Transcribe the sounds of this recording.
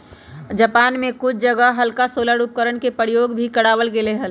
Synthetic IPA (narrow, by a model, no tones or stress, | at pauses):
d͡ʒəpaːnmẽkʊt͡ʃʰd͡ʒəɡəɦɦəlkasoːləɽup̚kəɾəɽkepəɾijoːɡbʱikəɽaːʋəlɡeleɦəl